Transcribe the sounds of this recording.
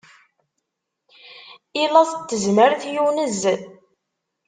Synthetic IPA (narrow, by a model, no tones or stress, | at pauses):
ilɑθət̪ːəzməɾθjunəzː